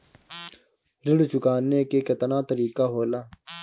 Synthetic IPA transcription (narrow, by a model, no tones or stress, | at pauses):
ɾɪɽt͡ʃʊkaːnːeːkeːkɐt̪nãːt̪əɾiːkaːɦoːlaː